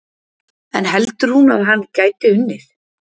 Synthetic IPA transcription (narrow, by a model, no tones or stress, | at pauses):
ɛnɦɛlt̪ʏɾ̥hunaðɦanːcaːjt̪ɪʏnːɪθ